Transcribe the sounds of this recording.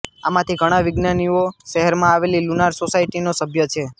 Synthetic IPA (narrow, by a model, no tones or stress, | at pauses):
amãt̪ʰiɡʱəɽ̃ãʋɪɡnanioʃɛɦɛɾmãaʋelilunaɾsosaiʈinosəbʱjət͡ʃʰe